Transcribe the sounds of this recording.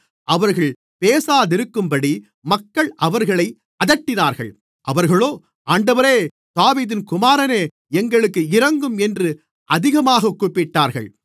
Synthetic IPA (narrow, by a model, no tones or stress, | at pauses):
ʔɐʋɐɾɣɐɭ | peːsaːðɪɾɯkːɯmbɐɽi | mɐkːɐɭʔɐʋɐɾɣɐɭɐɪ | ʔɐðɐʈːɪnaːɾɣɐ̰ɭ | ʔɐʋɐɾɣɐɭoː | aːɳɖɐʋɐɾeː | d̪̥aːʋiːðɪnkʊmaːɾɐneː | ɛŋɡɐɭɯkːɯɪɾɐŋɡɯmɛndrɯ | ʔɐðɪɣɐmaːɣɐkːuːpːɪʈːaːɾɣɐ̰ɭ